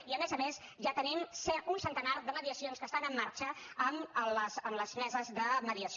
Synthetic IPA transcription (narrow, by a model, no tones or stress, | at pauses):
iəmezəmes | ʒat̪ənimsɛunsənt̪ənaɾðəməðiəsionskəst̪anəmːaɾt͡ʃəəmələsəmləzmɛzəzðəməðiəs